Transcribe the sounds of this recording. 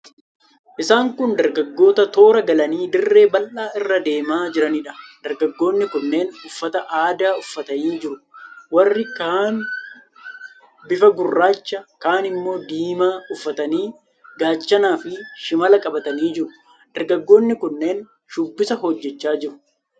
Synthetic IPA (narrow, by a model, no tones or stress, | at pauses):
ʔɪsaːŋkʊnd̪ɐɾɡɐɡːo̞ːt̪ɐt̪o̞ːɾɐɡɐlɐniːd̪ɪrːe̞ːbɐlʔaːʔɪrːɐd̪e̞ːmaːd͡ʒɪɾɐniᶑɐ̥d̪̥ɐɾɡɐɡːo̞ːnːɪkʊnːe̞ːnʊfːɐt̪ɐʔaːd̪aːʊfːɐt̪ɐniːd͡ʒɪɾʊwɐrːɪkaːn | bɪfɐɡʊrːaːt͡ʃːɐkaːnɪmːo̞ːd̪iːmaːʊfːɐt̪ɐniː | ɡaːt͡ʃːɐnaːfɪʃɪmɐlɐkʼɐbɐt̪ɐniːd͡ʒɪɾʊ | d̪̥ɐɾɡɐɡːo̞ːnːɪkʊnːe̞ːn | ʃʊbːɪsɐɦɔd͡ʒːɛt͡ʃːaːd͡ʒɪɾʊ̥